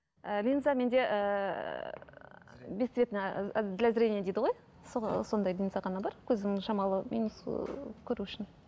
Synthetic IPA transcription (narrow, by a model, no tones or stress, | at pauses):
əlʲinzamʲe̞nd̪e̞ʔə | bʲesvʲe̞t̪nəd̪ɪlʲæzɾʲenʲijed̪ejd̪ɪʁo̞j | sso̞nd̪ɑjlʲijnzaʁɑnɑbɑɾkʲʰɵzɪnɪŋʃɑmɑlˠəmʲḭnuskʲʰɵɾuʏʃɪn